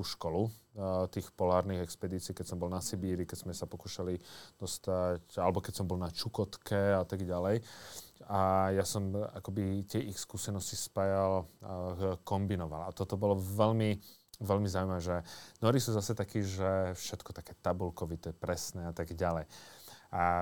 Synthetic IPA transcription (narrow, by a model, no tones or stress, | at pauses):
kuʃkɔlut̪iːxpɔlaːɾniɣɛkspɛd̪iːt͡siːkɛcsɔmbɔlnasɛbiːɾikɛzmɛsapɔkuːʃalid̪̥ɔst̪acalɛbɔkɛcsɔmbɔlnat͡ʃukɔt̪kʰɛat̪aɡɟalɛj | ajasɔma̰kɔbit̪ɪɛʔixskuːsɛnɔscispajal | kɔmbinɔʋa̰lat̪ɔt̪ɔbɔlɔʋɛlmi | ʋɛlmizaʊjmaɛʒɛnɔɾisuːzasɛt̪akiːʒɛfʃɛt̪kɔ̥t̪akɛt̪abulkɔʋit̪ɛpɾɛsnɛat̪aɡɟalɛja